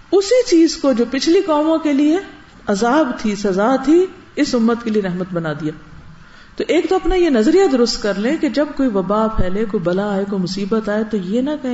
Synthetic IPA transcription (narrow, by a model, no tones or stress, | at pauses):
ʊsit͡ʃiːzkod͡ʒoːpɪt͡ʃʰlikaːmõkelie | ɐzaːbt̪ʰisɐzaːt̪ʰi | ɪsʊmːət̪kelieɾɐɦmət̪bɐnaːd̪ijaː | t̪oʔeːkt̪oɐpnajenɐzɾijad̪ʊɾʊst̪kɐɾlẽked͡ʒɐb̚koːiʋɐbaːpʰɛːlekoːibɐlaːekoimʊsiːbət̪aːet̪ojenɐkɐɦẽ